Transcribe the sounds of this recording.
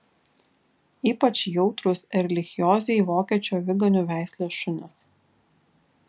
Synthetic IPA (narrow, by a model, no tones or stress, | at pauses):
iːpɐt͡ʃʲjɔʊt̪ɾʊsɛɾʲɛlʲɪxʲɪjoːzʲɛɪʋoːkʲiːt͡ʃʲoːʋʲɪɡɐnʲuʋʲæˑɪsʲlʲeːʃʊnʲɪs